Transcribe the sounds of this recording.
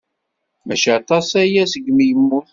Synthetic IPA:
mæʃæt̪ˤɑsæjæsəɡmijəmːuθ

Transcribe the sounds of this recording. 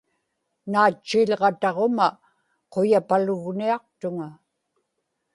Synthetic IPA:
naːt͡ʃːiʎʁɑt̪ɑʁoma | qojapalʊɣniɑq̚t̪ʊŋa

